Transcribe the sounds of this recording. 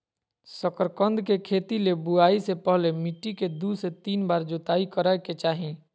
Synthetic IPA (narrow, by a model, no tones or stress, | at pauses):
səkəɾkə̃nd̪ʱkekʰeːt̪ilebuaːisepəɦlemiʈːiked̪uset̪iːnbaːɾd͡ʒot̪aikəɾaeket͡ʃaːɦĩ